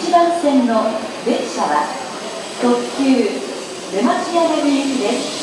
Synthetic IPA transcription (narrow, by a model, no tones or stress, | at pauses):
t͡ɕibãñsẽ̞nːo̞ | beɕaβa | t̪okkʲɨː | d̪e̞maɕiad̪ebɯjikɯd̪es